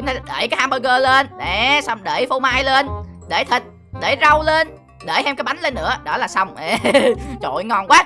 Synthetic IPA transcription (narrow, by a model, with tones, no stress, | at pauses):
t͡ɕŋ͡mt̪a˧ɗḛː˧˩jkaː˨˦haː˧mɓəː˧ɣəː˧le˧nɗɛ˨˩sa˧wŋ͡mɗeː˧˩fo˧wmaː˧jle˧nɗe˧˩t̪ʰi˨˩t̚ | ɗe˧˩zə˧wle˧n | ɗe˧˩jhɛ˧mkaː˨˦jɓa˨˦jn̟le˧nːɨ̰˧˥əɗɔ˨˦˥laː˨˩sa˧wŋ͡mʔe˨˧˩t͡ɕo̰˧˨jŋɔ˨˩nkwaː˦